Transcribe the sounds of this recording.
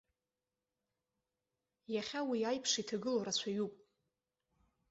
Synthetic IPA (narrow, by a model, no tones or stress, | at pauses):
jaχʲawiajpʰʂitʰaɡɨloɾat͡ɕʷʰaɥupʼ